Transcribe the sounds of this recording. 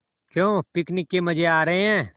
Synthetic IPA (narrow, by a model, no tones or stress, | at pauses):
kjõːpɪknɪkːeməd͡ʒʱeaːɾəɦẽɦɛ̃ː